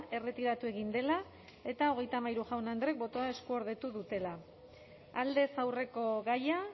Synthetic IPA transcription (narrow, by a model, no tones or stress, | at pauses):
e̞re̞t̪iɾat̪ue̞ɣ̞ind̪e̞la | e̞t̪ao̞ɣ̞e̞jt̪amajɾuʝawnand̪ɾe̞k̚bo̞t̪o̞ae̞skuoɾð̞e̞t̪uðut̪e̞la | ald̪e̞sawre̞ko̞ɣaja